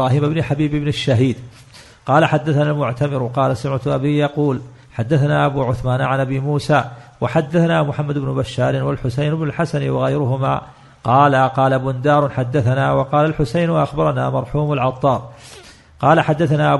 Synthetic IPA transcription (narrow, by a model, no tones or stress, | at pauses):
aːhiːmɪbnɪħabiːbɪbnɪʃːaɦiːd̪ | qɑːlaħad̪ːaθanalmʊʕt̪amɪɾwqɑːlasʊmʕat̪ʔabiːjɑquːl | ħad̪ːaθanaːʔabuːʕʊθmaːnʕanʔabimuːsaːwʔaħad̪ːaθanaːmʊħamːad̪ʊbnʊbaʃːaːɾɪnwalħʊsajnɪbnʊlħasanwɪɣajɾʊɦʊma̰ː | qɑːlaqɑːlabʊnd̪aːɾˤʊħad̪ːaθanaːwɑqɑːlalħʊsajnʔaxbɑɾˤɑna̰ːmɑɾˤħuːmalʕɑt̪ˤːɑːɾˤ | qɑːlaħad̪ːaθanaʔa